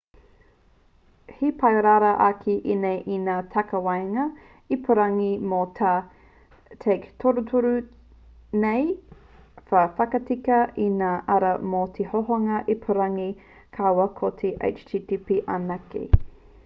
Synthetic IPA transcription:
hipʰɐjɾaːɾaʔakʰiʔinejʔinaːtʰɐkɐwajŋɐ | ipʰuɾɐŋimotʰa | tʰejktʰoɾutʰuɾu | nej | fɐfɐkɐtikɐʔinaːʔɐɾɐmotʰehoɦoŋɐʔipʰuɾɐŋi | kʰawɐkʰotʰeʔḛjt͡ʃtʰiːtipiʔanɐkḭ

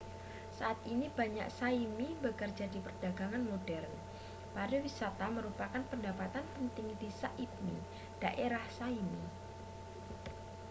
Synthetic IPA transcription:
saʔat̪inib̥aɲa̰ksaimibəkərd͡ʒadipərd̥aɡaŋanmodɛrn | padawisat̪aməɾupakanpəndapat̪anpənt̪ɪŋdisaʔip̚nḭ | d̥aʔeɾahsaimi

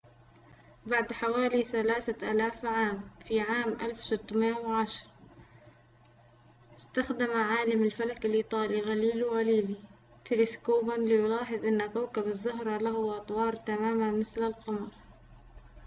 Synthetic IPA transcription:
baʕd̪ħawaːliθalaːθaʔaːlaːfʕaːmfiʕaːmʔa̰lfsɪt̪ˤːmeːnwʕaʃɑɾˤ | ɪst̪axd̪amaʕaːlamɪlfalakɪlʔiːt̪ˤɑːliɣaliːlwɣaliːli | t̪ɪlɪskoːbanlɪjʊlɑːħɪðˤʔɪnːakawkabɪzːʊɦɾˤɑlaɦʊʔɑt̪ˤwɑːɾˤt̪amaːmamɪθlɪlqɑmɑɾˤ

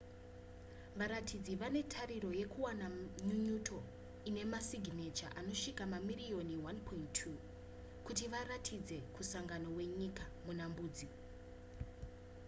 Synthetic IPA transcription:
ʋaɾatʰid͡ziʋane̞tʰaɾiɾo̞je̞kuwanaɲuɲutʰo̞ | ine̞masiɡʱine̞t͡ʃa̰ʔano̞ʂikamamirio̞niwanpʰoinʰu | kutiʋaɾatʰid͡ze̞kusaŋɡano̞we̞ɲikamunambuːd͡zi

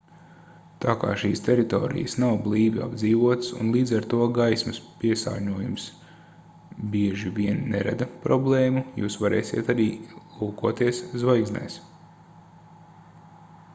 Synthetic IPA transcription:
t̪aːka̰ːʃiːst̪ʲeɾit̪o̰ːɾḭjəsnawblˠiːvia̰bd̪ziːʋuɔt̪sṵnlˠiːd̪zaɾt̪uɔɡajsmɐspiɛsa̰ːɾɲuɔjums | biɛʒiviɛnːeɾa̰d̪pɾɔblˠeːmujṵːsʋaɾɛ̰ːsʲḭɛt̪aɾiːlˠuːkuɔt̪iɛszvajɡzna̰js

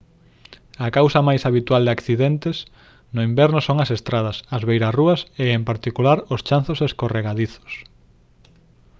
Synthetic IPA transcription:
ɐkawsɐmajsaβit̪wald̪ɪakθiðɛnt̪es | nʊimbɛɾnʊsoŋɐsest̪ɾað̞ɐsɐzβejɾasruɐseempaɾt̪ikulaɾʊst͡ʃanθoseskoreɣaðiθo̥s

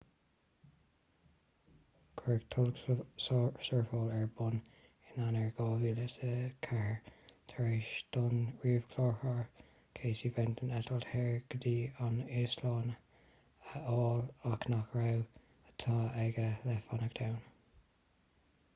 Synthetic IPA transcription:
kʰɛɹktʰʊlssɔɹfɔːlɛɹbʊn | ɪnanəɹɡɔːviːlətəkʰɛhəɹt̪ʰɹeʃd̥ʊnɹiːv̥kʰlɔːɹhɑɹ | kʰeːsivɛnt̪ʰənɛtəlthɛɹɡ̥əd̪iːanɪslɔːnə | əoːlaknakɹaw | ət̪ʰɑːɛɡəlɛfanəkd̥awn

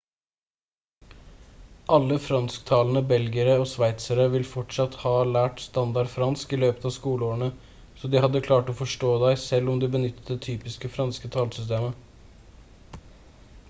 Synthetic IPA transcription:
ʔɑlːəfɾɑnskt̪ʰɑːlnəbɛlɡəɾəɔsʋæɪt̪səɾəʋɪlfɔʈʂɑt̪hɑːlæːʈst̪ɑnd̪ɑɖfɾɑnskɪløːpət̪ɑskuːləoːəɳə | sɔd̪ɪhɑd̪ːəkʰlɑːʈɔfɔʂʈoːd̪æɪsɛlːɔmd̪ɪbənʏt̪ːət̪d̪ɛt̪ʰyːpɪskəfɾɑnskət̪ʰɑːlsʏst̪eːmə

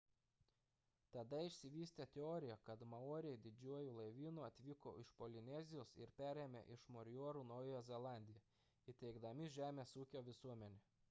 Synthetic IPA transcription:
t̪ɐd̪ɐɪʃʲsʲɪʋʲiːsʲt̪ʲet̪ʲɛɔːɾʲɪjɛkɐt̪mɐoːɾʲɪɛɪd̪ʲɪd͡ʒʲuɔjuːlˠɐɪʋʲiːnuːɐt̪ʲʋʲiːko̰ːɪʃpɔlʲɪnʲɛzʲɪjoːsɪ̰ɾpʲæːɾʲeːmʲḛʔɪʃmɔɾʲjuɔɾuːnɔʊjɛjɛzʲɛlˠɑˑnʲd̪ʲɪjɛ | it̪ʲɛɪɡd̪ɐmʲɪʒʲæːmʲeːsuːkʲoːʋʲɪsuɔmʲɛnʲeː

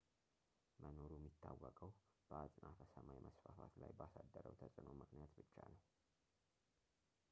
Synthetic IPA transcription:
mʔəno̞ɾuɛmːit̪ʰːawːəkʼəw | b̥əat͡sʼnʔafəsəmajmʔəsfafat̪lajbəasad̪ːəɾəwt̪ʰəsʼɨno̞mɨknijat̪bɨt͡ʃːaləw

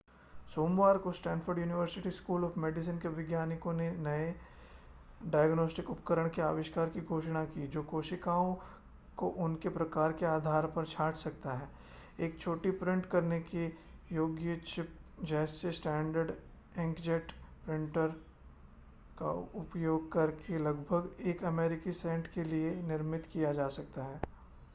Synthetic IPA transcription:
soːmʋaːɾkosʈɛ̃ːnfəɾɖjuːnɪʋəɾsɪʈiskuːlɔːfmeːɖɪs̬ənkeʋɪɡjaːnɪkõnenɐe | ɖaːjəɡnoːsʈɪkʊpkəɾəɽ̃kea̰ːʋɪʃkaːɾkiɡʱoːʃɽ̃akiːd͡ʒoːkoːʃɪkaːõ | koʔʊnkepɾɐkaːɾkeaːd̪ʱaːɾpɐɾt͡ʃʰaːʈʰsɐk̚t̪aɦɛː | eːkt͡ʃʰoːʈipɾɪ̃ɳʈkɐɾnekijoːɡjət͡ʃɪp̚d͡ʒɛːsːesʈɛ̃ːɳɖəɾɖ | ɪ̃ŋkd͡ʒɛʈpɾɪ̃ɳʈəɾ | ka̰ʊpjoːɡ̚kɐɾkʰelɐɡbʱəɡeːkɐmeːɾɪkisɛ̃ɳʈkelienɪɾmɪt̪kijad͡ʒaːsɐk̚t̪aɦɛː

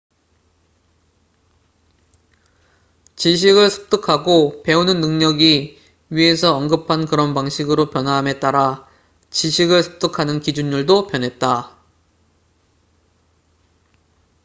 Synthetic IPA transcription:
t͡ɕiɕ̬ʰiɡɯɭsʰɯ̥p̚t͈ɯkʰaɡope̞unɯnːɯŋɲʌɡi | ɥie̞sʰʌʌŋɡɯpʰankɯɾʌnpaŋɕʰiɡɯɾopjʌnɦwaɦame̞t͈aɾa | t͡ɕiɕʰiɡɯɭsʰɯ̥p̚t͈ɯkʰanɯnkid͡ʑunːuɭdopjʌnɦe̞t̚t͈a

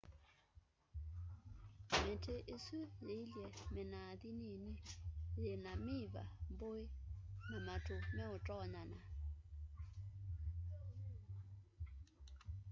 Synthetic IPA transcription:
mɛtʰeʔisulɪljɛmɪnaðininilɪnamiva̰boɪŋamatʰʊmɛʊtʼɔɲana

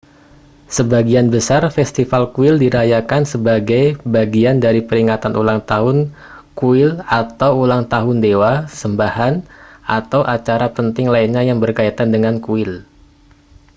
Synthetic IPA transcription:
səbaɡianbəsarfɛst̪ifalkuɪldiɾajakansəbaɡajbaɡiandaɾipəɾiŋat̪anʔṵlaŋt̪aɦʊn | kuɪlat̪awulaŋt̪aɦʊndewasəmbahanʔat̪awʔat͡ʃaɾapənt̪ɪŋlainɲajaŋbərkait̪andəŋankuɪl

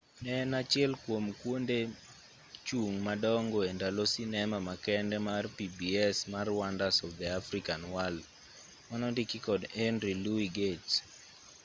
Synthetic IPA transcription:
nɛnat͡ʃɪɛlkwomkwonde | t͡ʃuŋmadɔŋɡoendalosinɛmamakɛndɛmarpibiɛsmarwandasɔfd̪ɛafɾikanwald | manɔdikikɔdɛndɾiluiɡet

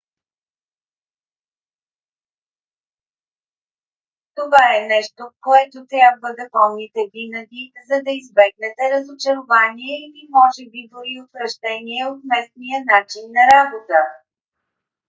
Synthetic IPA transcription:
t̪ovaɛnɛʃt̪okoɛt̪ot̪ɾʲabvəd̪ɐpɔmnit̪ɛvinəɡ̪izɐd̪ɐizbɛɡ̚nɛt̪ɛɾəzot͡ʃɛɾovaniɛilimɔʒɛbid̪ʊɾiop̪ɾɐʒd̪ɛniɛot̪mɛsnijənat͡ʃinːɐɾabot̪ə

